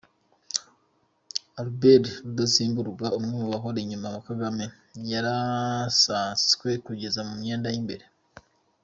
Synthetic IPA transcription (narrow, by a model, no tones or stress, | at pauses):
albeɾɾud̪osiːmbuɾuɡaumŋumuβaɦoɾeɲumaβakaɡame̞ | jaɾasaːnskwe̞kuɟe̞zamumɲe̞ːndajimbe̞ɾe